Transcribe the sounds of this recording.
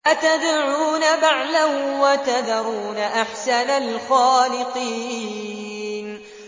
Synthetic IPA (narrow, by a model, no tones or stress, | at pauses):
ʔat̪ad̪ʕuːnabaʕlawat̪ad̪ɑɾˤuːnaʔaħsanalxaːlɪqiː | n